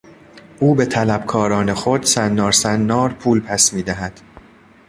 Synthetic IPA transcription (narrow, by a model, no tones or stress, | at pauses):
ʔuːbe̞t̪ʰælæb̥kʰɒːɾɒːnexod̪̥sænːɒːɾsænːɒːɾpʰuːlpʰæsmiːd̪æɦæd̪̥